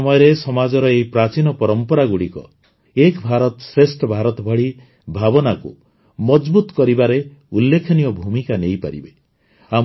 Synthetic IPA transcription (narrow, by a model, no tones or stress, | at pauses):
mɔjɔɾesɔmad͡ʒɔɾɔejpɾat͡ʃinɔpɔɾɔmpɔɾaɡuɽikɔ̰ | ekbʱaɾɔt̪ɔsesʈɔbʱaɾɔt̪ɔbʱɔɽi | bʱabɔnakṵ | mɔd͡ʒbut̪kɔɾibaɾeulːekʰɔnijɔbʱumikanejpa̰ɾḭbe | am